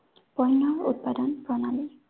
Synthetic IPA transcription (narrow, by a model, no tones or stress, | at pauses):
pɔjnːɔɹut̪̚padɔnpɹɔnali